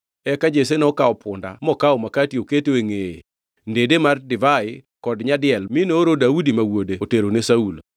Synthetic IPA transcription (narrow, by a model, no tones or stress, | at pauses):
ɛkad͡ʒesenɔkaɔpʰʊnda̰mɔkaɔmakatioketoeŋee | ndedemardɪvaɪkɔdɲadɪjɛlminooɾodaudimawodeoteɾonesaul